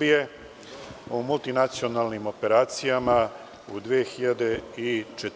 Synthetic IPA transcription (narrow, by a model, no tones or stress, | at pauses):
bije̞ | umult̪inat̪sio̞naːlnimo̞pe̞ɾaːt̪sijama | ud̪ʋeːxiʎad̪e̞it͡ʃet̪